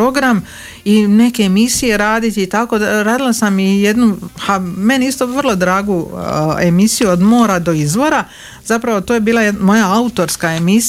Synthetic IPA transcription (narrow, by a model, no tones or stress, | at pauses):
o̞ɡɾam | ine̞ke̞ːmisije̞ɾaːd̪it̪iːt̪ako̞aɾaːd̪ilasamije̞d̪nuhame̞niist̪o̞ʋər̩lˠo̞d̪ɾaːɡuemisijuod̪mo̞ːɾad̪o̞izʋo̞ɾa | zapɾaʋo̞t̪oːje̞biːlaemo̞jaaut̪o̞ɾskae̞mis